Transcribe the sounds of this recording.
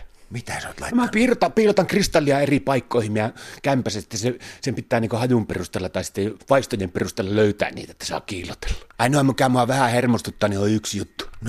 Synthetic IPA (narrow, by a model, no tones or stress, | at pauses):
mit̪æso̰ˑt̪lɑˑmæpiːlot̪ɑpiːlot̪ɑŋkrist̪ɑlːˑiɑeripɑˑikːoˑihimmiɑkæmpæsæst̪ːæsesempit̪ːˑæːniːŋkohɑjumpḛrust̪eːlːɑt̪ɑˑisi̥t̪ːeʋɑˑist̪ojemperust̪eːlːɑløˑyt̪æ̰nnḭːt̪æet̪ːæsɑ̰ːkkiːlot̪e̥lːɑ̥ɑˑinoɑmmykæmoɑʋæhæhermost̪ut̪ːɑːnioiyksjut̪ːu̥